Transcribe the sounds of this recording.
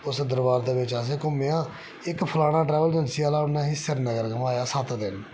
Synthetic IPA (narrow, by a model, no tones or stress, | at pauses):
ʊsd̪əɾbaːɾd̪eːʋɪt͡ʃəs̬eːkʊmːeãː | ɪkpʰəlaːɽ̃aːʈɾɛːʋəld̪ɪnsiaːlaːʊnːẽːɦɪsəɾnəɡəɾɡəmaːjaːsət̪d̪ɪn